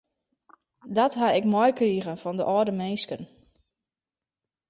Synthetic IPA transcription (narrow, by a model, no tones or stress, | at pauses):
dɔtɦaɪkmɔjkriːɣənfɔndəʔɔːdəmeːskən